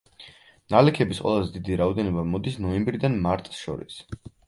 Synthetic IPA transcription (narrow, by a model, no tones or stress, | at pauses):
nalɛkʰɛbisqʼwɛ̰lˠazɛd̪id̪iɾaɔd̪ɛnɔbamɔd̪isnɔɛmbɾid̪anmaɾt̪ʼsʃɔ̰ɾḭs